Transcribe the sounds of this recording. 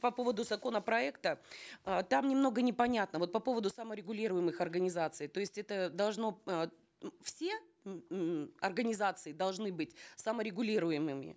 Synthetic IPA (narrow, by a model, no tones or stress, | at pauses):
pɐpo̞vəd̪ʊzɐko̞nəpɾɐɛkt̪ə | t̪amnʲɪmno̞ɡənʲɪpɐnʲat̪nəvo̞t̪̚pɐpo̞vəd̪ʊsaməɾʲɪɡʊlʲiɾʊjɪmɨxɐrɡənʲɪzat̪sɨjt̪o̞ɪsʲtʲɛt̪əd̪ɐlˠʐno̞ | fsʲe̞ | ɐrɡənʲɪzat̪sɨɪd̪ɐlˠʐnɨbɨtʲsaməɾʲɪɡʊlʲiɾʊjɪmɨmʲɪ̰